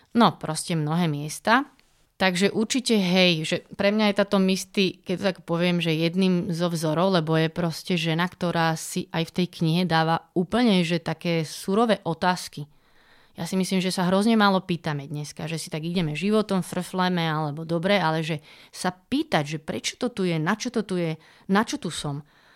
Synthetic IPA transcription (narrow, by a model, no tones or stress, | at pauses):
nɔpɾɔscɛmnɔɦɛːmɪɛst̪a | t̪aɡʒɛʔuɾt͡ʃicɛɦɛjʒɛpɾɛmɲajɛt̪aːt̪ɔmist̪ikɛct̪ɔt̪akpɔʋɪɛmʒɛjɛd̪niːmzɔvzɔɾɔʊlɛbɔjɛpɾɔscɛʒɛnakt̪ɔɾaːsiʔajft̪ɛjkɲiɦɛd̪aːʋauːpl̩ɲɛʒɛt̪akɛːsuɾɔʋɛːʔɔt̪aːski | jasimisliːmʒɛsaɦɾɔzɲɛmaːlɔpiːt̪amɛd̪ɲɛskaʒɛsit̪aɡiɟɛmɛʒiʋɔt̪ɔmfr̩flɛmɛalɛbɔd̪ɔbɾɛalɛʒɛsapiːt̪aɟʒɛpɾɛt͡ʃɔ̥t̪ɔt̪ujɛnat͡ʃɔt̪ɔt̪ujɛ | nat͡ʃɔt̪usɔm